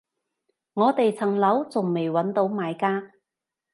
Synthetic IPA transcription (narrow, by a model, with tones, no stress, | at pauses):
ŋɔː˨˧t̪e˨jt͡sʰɐ˨˩ŋlɐ˨˥wt͡sʊ˨ŋme˨˩jwɐ˨˥nt̪o˨˥wmaː˨˧jkaː˥